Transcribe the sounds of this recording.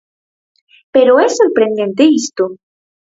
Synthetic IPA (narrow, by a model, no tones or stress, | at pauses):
peɾoɛsoɾpɾẽnd̪ẽnt̪eist̪o